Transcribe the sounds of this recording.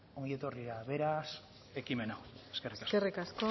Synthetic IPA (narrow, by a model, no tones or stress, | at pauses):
oŋjet̪oriɾaβeɾas | ekimenawe̥skerikaserikasko